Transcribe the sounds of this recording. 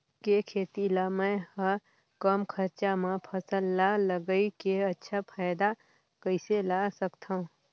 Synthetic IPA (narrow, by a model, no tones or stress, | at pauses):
kekʰeːt̪ilamɛ̃hə | kəmkʰəɾt͡ʃamãpʰəsəlːaləɡəikeɐtːʃʰapʰaːɪd̪a | kəɪselasəkt̪ʰaɦũ